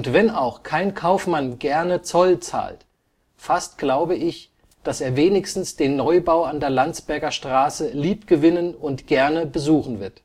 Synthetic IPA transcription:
ʊntv̥ɛnaʊxkʰaɪnkʰaʊfmanɡɛɐnət͡sɔlt͡sa̰ːlt | fastɡ̥laʊbəɪç | d̥aseːɐveːnɪçstn̩sd̥eːnːɔʏbaʊandeːɐlant͡sb̥ɛɐɡɐʃtʁ̥aːsəliːpɡ̥əvɪnənʊntɡ̥ɛɐnəbəzuːxn̩vɪɐt

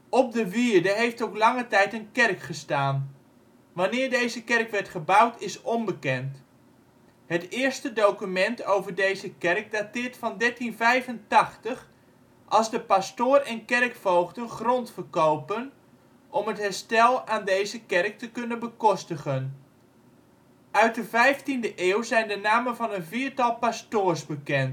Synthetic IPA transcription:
ɔp̚dəʋiəɹdəɦejftowklɑŋətɛjtənkɛrkχəstaːn | ʋanɪːɹdejzəkɛrkʋɛɹtχəbawtɪsɔmbəkɛnt | hətɪːəɹstədowkymɛntowvəɹdejzəkɛrk̚daːtɪːɹtfɑndɛɹtinvɛjvəntɑχtəχ | ʔɑlˠzdəpastʊːrɛnkɛrkfowχdənχrɔntfəɹkowpən | ʔɔmətɦɛɹstɛlˠaːndejzəkɛrk̚təkɵnənbəkɔstəχən | œɥt̚dəvɛjftindəʔeːwzɛjndənaːmənvɑnənviːɹtɑlˠpastʊːɹsbəkɛnt

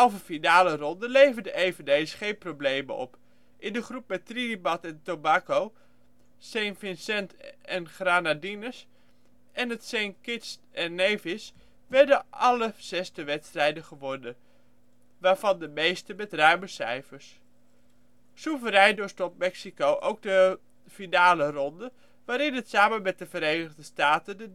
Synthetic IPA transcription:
ɛlˠvəfinaːlərɔndəlejvəndəejvəndejsəχejnprowblejmə̰ʔɔ̰p | ʔɪndəχrup̚mɛtridibɑtɛntobaːkow | sejnfɪnsɛntɛnχraːnadinəs | ʔɛnətsenkɪts | ɛnːejvɪs | ʋɛɹdəʔɑləsɛstəʋɛtstrɛjdəχəʋɔɹdə | ʋaːɹvɑndəmejstəmɛtrœɥməsɛjfəɹs | suvəɾɛjndostɔp̚mɛksikowʔowɡ̚də | finaːlərɔndə | ʋaːɾɪnətsaːməmɛt̚dəvəɾejnəɣdəstaːtəndə

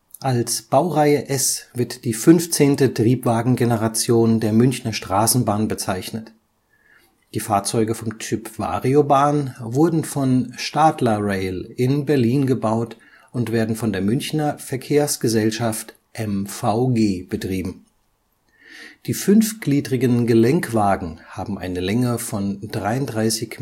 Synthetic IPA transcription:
ʔalsb̥aʊʁaɪəʔɛsv̥ɪɐtd̥iːfʏnft͡seːntətʁ̥iːpv̥aːɡŋ̩ɡenəʁat͡sjoːndeːɐmʏnçnɐʃtʁ̥aːsn̩baːnbət͡saɪçnət | d̥iːfaːɐt͡sɔʏɡəfɔmtʏpv̥a̰ːʁiobaːnvʊɐdn̩fɔnʃtaːtlɐʁɛɪlɪnbɛɐliːnɡəbaʊt | ʊntv̥eːɐdn̩fɔndeːɐmʏnçnɐfɛɐkʰeːɐsɡ̥əzɛlʃaft | ʔɛmfaʊɡeːb̥ətʁ̥iːbm̩ | d̥iːfʏnfɡ̥liːdʁɪɡənɡəlɛŋkv̥aːɡŋ̩haːbm̩ʔa̰ɪnəlɛŋəfɔndʁaɪʊntdʁaɪsɪç

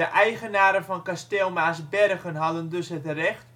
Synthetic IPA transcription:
əʔɛjχənaːɾəfɔnkastɪlˠmaːsbɛrɣənɦɑdəndɵsɦətrɛχt

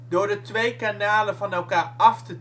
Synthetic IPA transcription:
dʊːɹdətʋejkanaːləvɑnɛlˠkaːɹɑftəd

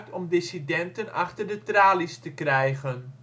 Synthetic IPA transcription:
tɔmdɪsidɛntənɑ̰χtərdətraːlistəkrɛjɣən

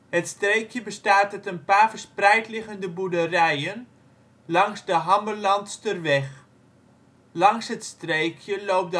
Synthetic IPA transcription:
ɦətstrejkjəbəstaːtɔtənpaːrvəɹsprɛjtlɪχəndəbudərɛjən | lɑŋzdəɦɑmbərlɑntstərʋɛχ | lɑŋsɦətstrejkʰjəlowp̚d

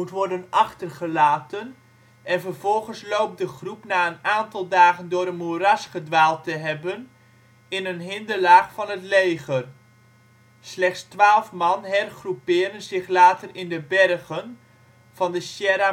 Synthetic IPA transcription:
mutʋɔrdənɑχtərχəlaːtən | ɛnvərvɔlˠχənslowp̚dəχrupnaːənaːntɑlˠdaːχəndʊːɾənmurɑsχədʋaːlˠtəɦɛbən | ɪnənɦɪndəlaːχfɑnɦətlejχər | slɛχtstʋaːlˠfmɑnɦɛrχrupɪːɾənzɪχlaːtərɪndəbɛrχən | v̥ɑndəsjɛɾa

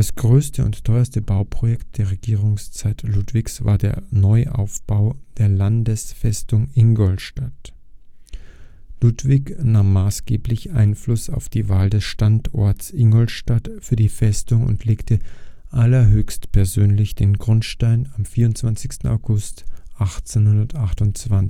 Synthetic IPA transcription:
d̥asɡ̥ʁøːstʰəʊ̰nttʰɔʏɐstəbaʊpʁ̥ojɛkt̚d̥eːɐʁeɡiːʁ̞ʊŋst͡saɪtʰlutv̥ɪçsv̥a̰ːɐdeːɐnɔʏʔa̰ʊfb̥aʊd̥eːɐlandəsfɛstʊŋɪnɡɔlʃtat | lutv̥ɪçnaːmːaːsɡ̥eːplɪçʔa̰ɪnflʊsaʊfd̥iːvaːldɛsʃtantɔ̰ɐtsʔɪŋɡɔlʃtatfyːɐdiːfɛstʊŋʊ̰ntʰleːktʰə | ʔalɐɦøːçstpʰɛɐzøːnlɪçd̥eːnɡʁʊntʃtaɪnamfiːɐʊntt͡sv̥ant͡sɪçstn̩a̰ʊɡʊstʔaχt͡senhʊndɐtaχtʊnt͡sv̥an

